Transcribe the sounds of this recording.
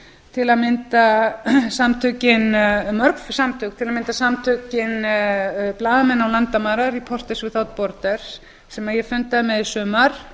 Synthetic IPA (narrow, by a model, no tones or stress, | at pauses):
t̪ʰɪlaðmɪnt̪asamt̪ʰʏcɪnmœɾkfsamt̪ʰʏːk̚t̪ʰɪlaðmɪnt̪asamt̪ʰʏːcɪn | plaːðamɛnːawlant̪amaːɾaɾipʰɔr̥t̪ɛsvɪθawt̪̚pɔɾt̪ɛɾ̥s | sɛmajɛfʏnt̪aðɪmɛðisʏːmaɾ̥